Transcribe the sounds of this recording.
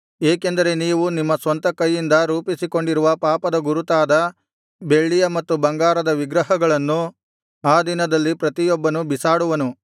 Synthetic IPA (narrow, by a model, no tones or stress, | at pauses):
eːkend̪ɐɾe̞niːʋunimːɐsʋɐnt̪ɐkɐjːind̪ɐɾuːpisiko̞ɳɖiɾuʋɐpaːpɐd̪ɐɡuɾut̪aːd̪ɐ | be̞ɭːijɐmɐt̪ːubɐŋɡaːɾɐd̪ɐʋiɡɾɐɦɐɡɐɭɐnːu | aːd̪inɐd̪ɐlːipɾɐt̪ijɔbːɐnubisaːɽuʋɐnu